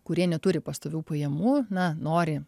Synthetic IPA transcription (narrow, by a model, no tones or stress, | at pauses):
kʊɾʲiɛnʲɛt̪ʊɾʲɪpɐst̪oːʋʲuːpɐjɛmuːnɐnoːɾʲɪ